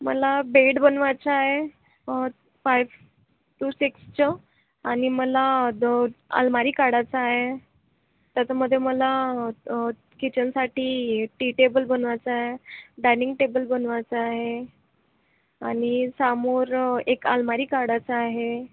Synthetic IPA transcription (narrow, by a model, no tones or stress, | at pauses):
mə̰labeɖbənʋat͡saaɦe | fajʋ | ʈuːsikst͡ɕa | aɽ̃iməla | a̰lmaɾiːkaɽat͡saːɦe | t̪jat͡ɕaməd̪ʱːjeməla | kit͡ɕənsaʈiːʈiʈebəlbənʋat͡saaɦeɖajniŋɡʈebəlbənʋat͡saːɦe | añisamoːɾeka̰lmaɾiːkaɽat͡saːɦe